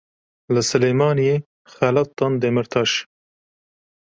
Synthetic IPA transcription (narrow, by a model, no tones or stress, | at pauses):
ləsɨlemɑːnije | xalɐt̪ːɑnd̪emɪɾt̪ʰɑʃ